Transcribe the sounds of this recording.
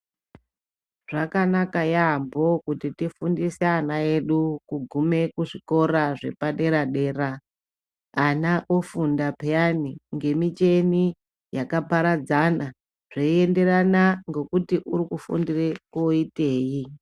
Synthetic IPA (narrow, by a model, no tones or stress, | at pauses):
ʐ̥akanakajambokutitifundiseanae̞ɗukuɡʱume̞kuʐiko̞ɾaʐe̞̰paɗe̞ɾaɗe̞ːraː | naʔofundapeaniŋɡe̞mit͡ʃe̞ni | jakapaɾad͡zana | ʐ̥oie̞nde̞ɾanaŋɡo̞kutiʔuɾikufṵndirekoite̞ːji